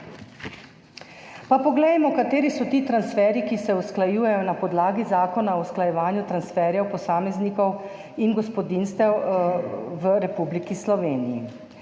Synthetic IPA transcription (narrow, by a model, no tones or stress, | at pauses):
papɔɡlɛjmɔkat̪eːɾisɔt̪iːt̪ɾansfɛːɾikisɛusklajuːjɛjɔnapɔd̪laːɡizaːkɔnaɔwusklajɛʋaːnjut̪ɾansfɛːɾjɛwpɔsaːmɛznikɔw | inɡɔspɔd̪inst̪ɛw | ʋəɾɛpublikislɔʋeːnijḭ